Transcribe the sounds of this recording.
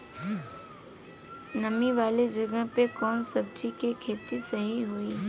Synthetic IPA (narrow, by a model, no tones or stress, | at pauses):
nɐmiʋaːled͡ʒɐɡəɦpekɔːnsɐb̚t͡ʃikekʰeːt̪isɐɦiɦui